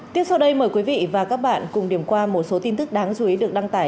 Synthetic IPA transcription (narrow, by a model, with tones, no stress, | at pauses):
t̪i˦˥əsa˧wɗə˧jməː˨˩kwi˨˦vḭ˧˨vaː˨˩kaː˦˥k̚ɓa̰ː˧˨nkʊ˨˩ŋ͡mɗi˨˩əmkwaː˧mo˨˩t̚so˨˦t̪i˧nt̪ɨ˦˥k̚ɗaː˨˦ŋt͡ɕu˨˧˦i˨˦ɗɨ˨˩ək̚ɗa˧ŋt̪aː˧˩j